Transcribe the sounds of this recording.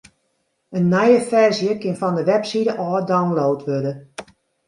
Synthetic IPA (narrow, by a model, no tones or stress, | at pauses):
ənːɛjəfɛrzjəkɪnfɔndəʋɛpsidəʔɔːdawnloːtʰʋødə